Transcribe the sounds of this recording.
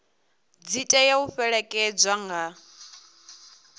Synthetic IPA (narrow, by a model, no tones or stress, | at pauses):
d͡zitʼajauɸɛɺɛkʼɛd͡zʷaŋɡa